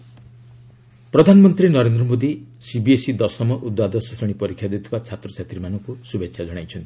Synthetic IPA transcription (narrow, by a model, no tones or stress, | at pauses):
pɾɔd̪ʱanɔmɔnt̪ɾinɔɾend̪ɾɔmod̪isibiesid̪ɔsɔmɔʔud̪wad̪ɔsɔsɔɽ̃ipɔɾikʰjad̪et̪ʰibat͡ʃʰat̪ɾɔt͡ʃʰat̪ɾimanɔŋkusubekʰʃʰad͡ʒɔɽ̃ajt͡ʃʰɔnt̪i̥